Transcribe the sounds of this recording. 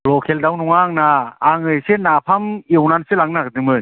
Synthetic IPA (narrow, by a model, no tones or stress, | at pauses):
lɔkʰeldawnɔŋaŋnaːŋɯjsenapʰamewnanselaŋnaɡɯdɯŋmɯn